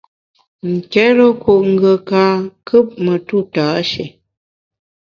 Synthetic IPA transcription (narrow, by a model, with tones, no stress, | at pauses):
ŋ̩˨kɛ˨˦lɔ˦ku˨ʔŋ̩˨ɡə˨ka˨˦kʰə˦p̚mə˨tu˦˨taː˨˦ʃe˨